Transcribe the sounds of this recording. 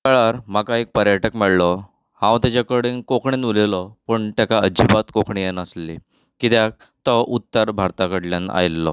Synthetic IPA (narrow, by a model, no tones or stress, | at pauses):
kəɭaɾmakaek̚pəɾjəʈəkmɛɽlɔ | hãwt̪jat͡ɕakəɽinkokʰɳinulelɔpəɳt̪jakaəd͡ʑibat̪kokʰɳijenəsli | kit̪jak̚ | t̪əʔut̪ːəɾbʱaɾt̪akəɽljana̰jlːɔ̰